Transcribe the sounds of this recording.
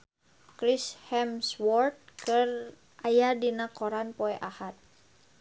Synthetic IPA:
kɾishɛmswɔrt̪̚kər | ʔajadinakoɾanpɔɛʔahat̪̚

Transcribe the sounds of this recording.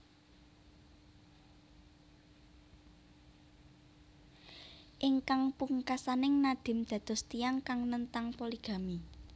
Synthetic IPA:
ʔɪŋkaŋpuŋkasanɪŋnad̪̥ɪ̤md̪̥ä̤d̪̥ɔ̤st̪ijaŋkaŋnənt̪aŋpoliɡ̥a̤mi

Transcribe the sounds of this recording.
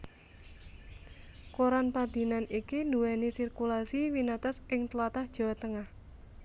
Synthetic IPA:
koɾanpad̪̥i̤nanikinuwɛnisirkulasiwinat̪ɔsʔɪŋt̪lat̪ahd̥ʒ̥a̤wat̪əŋah

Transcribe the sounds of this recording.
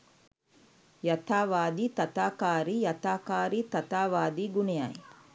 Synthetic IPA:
jat̪aːʋaːd̪iːt̪at̪aːkaːɾijat̪aːkaːɾiːt̪at̪aːʋaːd̪iːɡuneja̰j

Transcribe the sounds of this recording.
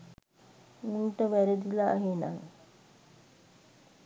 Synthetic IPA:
unʈəʋæɾed̪ilaːɦena̰ŋ

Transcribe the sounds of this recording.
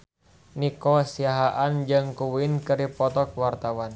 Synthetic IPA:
nikɔsiaɦaʔand͡ʒɨŋkuwinkɨɾipɔt̪ɔk̚wart̪awan

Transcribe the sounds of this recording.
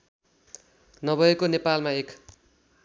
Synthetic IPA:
nʌbʱʌekonepalmaek

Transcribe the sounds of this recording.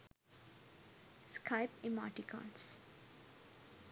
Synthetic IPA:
skʰaɪpĩma̰ːʈikʰɔ̰̃ns

